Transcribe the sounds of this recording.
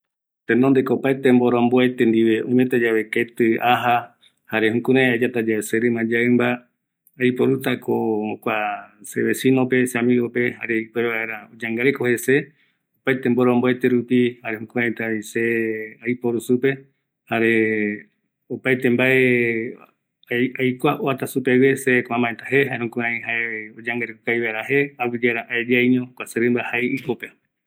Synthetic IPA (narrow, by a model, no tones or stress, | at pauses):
t̪enond̪ekoːpajt̪emboɾõmboet̪end̪iʋeũmet̪ad͡ʒaβeket̪ɨaɦa | haɾe̞hũkũɾãad͡ʒat̪ad͡ʒaeseɾɨmãd͡ʒaɨmbaː | jpoɾut̪akookʷaseβe̞sĩnope̞samiope̞ha̰ɾe̞ikeβaeɾaod͡ʒaŋɡaɾekohe̞se̞ | opajt̪emboɾomboet̪eɾupihaɾehokũãet̪aiseajpoɾusupe̞ | haɾe̞ | opajt̪embae | ajkʷaʔoat̪asupeβesekãmãet̪aɦeɦaehõkuãĩɦaeod͡ʒaŋɡaɾekukajβaeɾaɦeaβid͡ʒeɾaʔaed͡ʒajɲõkʷaseɾɨmbahajikope